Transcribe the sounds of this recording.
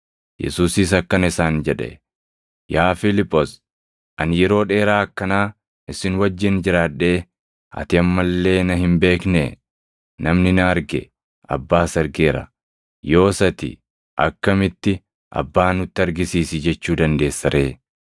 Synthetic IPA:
jɛ̰suːsɪsɐkːɐnɪsaːnd͡ʒɛᶑɛ̰ | jaːfɪlɪpʼːɔs | ʔɐnjɛɾo̞ːᶑe̞ːɾaːɐkːɐnaː | ɪsɪnwɐd͡ʒːɪnd͡ʒɪɾaːᶑːe̞ː | ɐ̰t̪ɪɐmːɐlːe̞ːnɐɦɪmbe̞ːkne | nɐmnɪnɐːɾɡɛ̰ | ʔɐ̰bːaːsɐɾɡeːɾɐ̰ | jo̞ːsɐt̪ɪ̰ | ʔɐkːɐmɪt̪ːɪ | ʔɐ̰bːaːnʊt̪ːɪɐɾɡɪsiːsɪd͡ʒɛt͡ʃːuːd̪ɐnd̪e̞ːsːɐɾʔe̞ː

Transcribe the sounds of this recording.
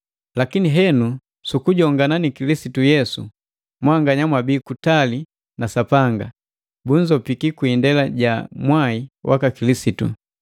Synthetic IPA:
lakiniɦɛnu | sukuɟɔŋɡananikilisitujɛsu | mwaŋɡaɲamwabiːkutali | nasapaŋɡa̰ | buɲd͡ʒɔpikikwindɛlaɟamwaiwʔa̰kakilisitṵ

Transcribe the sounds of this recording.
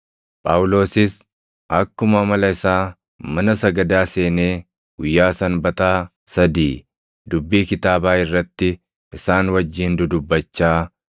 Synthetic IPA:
pʼaːʊlo̞ːsɪs | ʔɐkːʊmɐmɐlɐɪsaː | mɐnɐsɐɡɐd̪aːse̞ːneː | ɡ̥ʊjːaːsɐnbɐt̪aː | sɐd̪iː | d̪ʊbːiːkɪt̪aːbaːɪrːɐt̪ːɪ | ɪsaːnwɐd͡ʒːiːnd̪ʊd̪ʊbːɐt͡ʃːaː

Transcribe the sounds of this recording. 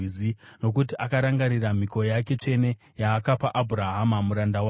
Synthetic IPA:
izino̞k̬ut̬iʔakaɾaŋɡaɾiram̤iko̞jak̬e̞t͡ʂe̞ne̞ | jaːkapaʔabʱuɾaɦamamuɾandawa

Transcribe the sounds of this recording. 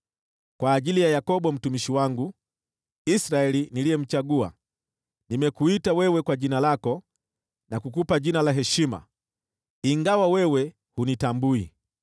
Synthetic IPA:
kwaːʄilijajakɔɓɔm̩tumiʃiwaŋɡu | isɾaɛlinilijɛm̩t͡ʃaɡua̰ | nimɛkuitawɛwɛkwaʄinalakɔ | nakukupaʄinalaɦɛʃima̰ | iŋɡawawɛwɛ | hunitambui

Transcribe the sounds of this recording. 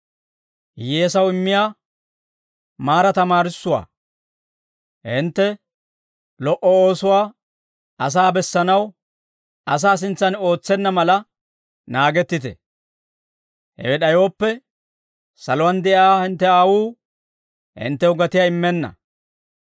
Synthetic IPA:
jeːsɐwɪmːɪjaː | maːɾɐt̪ɐmaːɾɪsːʊwa̰ː | hɪnt̪ːɛ | lɔʔɔoːsʊwaː | ɐs̬aːbɛsːɐnɐw | ɐs̬aːs̬ɪnt͡sːɐno̞ːt͡sːɛnːɐmɐlɐ | naːɡɛt̪ːɪt̪ɛ̰ | hɛ̰wɛɗɐjoːpːɛ | sɐlɔwɐnd̪ɛʔaːhɪnt̪ːɛaːwuː | hɪ̰nt̪ːɛʊɡɐt̪ɪjaːɪmːɛnːɐ̰

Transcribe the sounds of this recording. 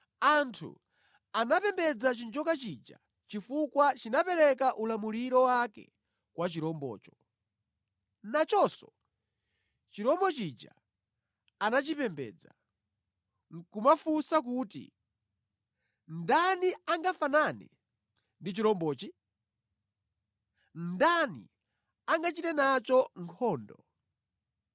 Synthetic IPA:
antʰṵ | anapɛmbɛd͡zat͡ʃind͡ʒɔkat͡ʃid͡ʒa̰ | t͡ʃifukwat͡ʃinapɛɾɛkaʔulamuɾiɾɔwakɛ̰ | kwat͡ʃiɾɔmbɔ̰ːt͡ʃɔ̥ | nat͡ʃɔsɔ | t͡ʃiɾɔmbɔt͡ʃid͡ʒa̰ | anat͡ʃipɛmbɛ̰ːd͡za | ŋkumafusak̬uːtḭ | ndaniaŋɡafananɛ̰ | ndit͡ʃiɾɔmbɔːt͡ʃi | ndanḭ | aŋɡat͡ʃitɛnat͡ʃɔŋkʰɔːndɔ

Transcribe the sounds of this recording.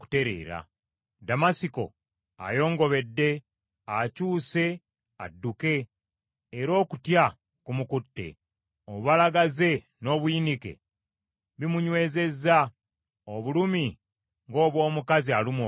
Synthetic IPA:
ku̥te̞ɾe̞̰ːɾa̰ | damasiko̞̰ | a̰jo̞ːŋɡo̞βe̞dːe̞ | acuːse̞ | a̰dːuke̞ː | ɾo̞ːkutja | kumukutːe̞̰ | ouβalaɡaze̞ | no̞ːβuinike̞̰ | βimuɲwe̞ːze̞zːa | oβulumi | ŋɡo̞ːβwo̞ːmukazialimo

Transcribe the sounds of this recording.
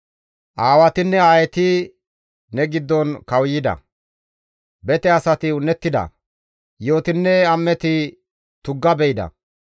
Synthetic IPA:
ʔaːwɐt̪ɪnːɛaːjɛt̪ɪ | nɛɡɪd̪ːɔnkɐwjɪd̪ɐ̰ | bɛt̪ɛɐsɐt̪ɪʊnːɛt̪ːɪd̪ɐ̰ | jo̞ːt̪ɪnːɛɐmːɛt̪ɪ | t̪ʊɡːɐbɛjɪd̪ɐ̰

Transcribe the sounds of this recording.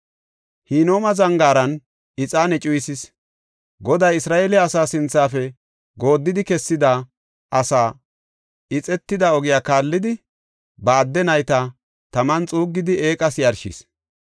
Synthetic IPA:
hiːno̞ːmɐzɐŋɡaːɾɐn | ɪt͡sʼaːnɛt͡ʃʼʊjsɪs | ɡɔd̪ɐjɪsɾaːʔeːlɪɐsaːsɪnt͡sːaːfɛ | ɡo̞ːd̪ːɪd̪ɪkɛsːɪd̪ɐ | ʔɐsaː | ɪt͡sʼɛt̪ːɪd̪ɐɔɡɪjaːkaːlːɪd̪ɪ | bɐːd̪ːɛnɐjt̪ɐ | t̪ɐmɐnt͡sʼuːɡːɪd̪ɪe̞ːkʼɐsjɐɾʃḭs

